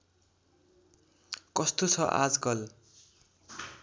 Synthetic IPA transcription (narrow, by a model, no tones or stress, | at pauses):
kʌst̪ot͡sʰʌʔa̰d͡zɡʌl